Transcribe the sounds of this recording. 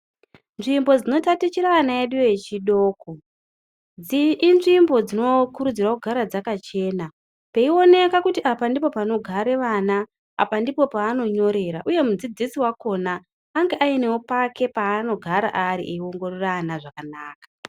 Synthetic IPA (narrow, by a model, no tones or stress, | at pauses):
nʐimbo̞d͡zino̞tatit͡ʃiɾaːnaeɗujojet͡ʃiɗo̞ːko̞ | inʐimbo̞d͡zino̞kuɾud͡zirakuɡʱaɾad͡zakat͡ʃe̞ːna | pe̞io̞ne̞kakutiʔapandipo̞pano̞ɡʱaɾe̞ʋana | a̰pandipo̞paːno̞ɲo̞ɾe̞ɾaʔuje̞mud͡zid͡zisiwako̞naː | ŋɡeʔaine̞opakʰe̞paːno̞ɡʱaɾa̰ʔaɾḭʔeiwo̞ŋɡo̞roranaʐakanaːkḁ